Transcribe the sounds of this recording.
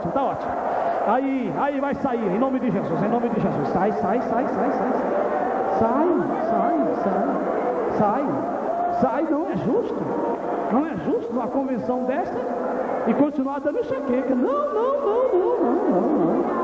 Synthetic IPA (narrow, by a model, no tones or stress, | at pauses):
imʊt̪aɔt͡ʃimʊ | ai | aivajsaiɾẽnõmɪd̪ɪʒezuzẽj̃nõmɪd̪ɪʒezussajsajsajsajsajsajsaj | sajsajsaj | sajnɐ̃w̃ɛʒuʃt̪ʊ | nɐ̃w̃ɛʒuʃt̪ʊnɐ̃ɐkõvẽsɐ̃w̃d̪ɛst̪ɐ | ɪkõt͡ʃinuad̪ɐ̃nʊʃekekɐnɐ̃w̃nɐ̃w̃nɐ̃w̃nɐ̃w̃nɐ̃w̃nɐ̃w̃nɐ̃w̃